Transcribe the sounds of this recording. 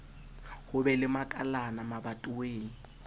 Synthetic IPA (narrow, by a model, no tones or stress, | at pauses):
hʊbɛlɪmakʼalanamabatʼʊweːŋ̩